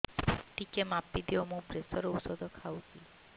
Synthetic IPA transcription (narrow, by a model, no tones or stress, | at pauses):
ʈikemapːid̪iɔmũpɾesɔɾɔusɔd̪ʱɔkʰawt̪i